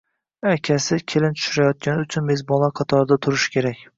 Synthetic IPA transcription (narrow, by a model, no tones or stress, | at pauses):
akʲʰasɪkʲʰelɪnt͡ʃ̪ʰʊ̥ʃyɾajɒt̪̚kʲanɪʊt͡ʃʰʊnmezbɒlˠaqʰɑt̪ʰɒɾd̪at̪ʰʊɾɪʃkʲʰe̞ɾakʲ